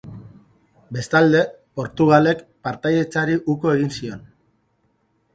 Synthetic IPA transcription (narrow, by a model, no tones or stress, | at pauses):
be̞st̪ald̪e̞ | po̞ɾt̪uɣ̞ale̞kpaɾt̪aje̞t͡saɾiʔuko̞e̞ɣ̞insio̞n